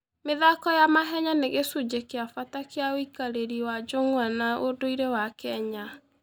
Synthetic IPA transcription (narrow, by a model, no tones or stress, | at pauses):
meðakɔjamaɦɛɲaneɣesud͡ʑekeafatakeaoikaɾeɾiwad͡ʒoŋwanaodoiɾewakɛɲa